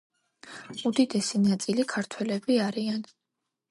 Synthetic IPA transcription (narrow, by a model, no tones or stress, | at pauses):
ud̪id̪ɛsinat̪sʼilikʰaɾt̪ʰwɛlɛbiaɾian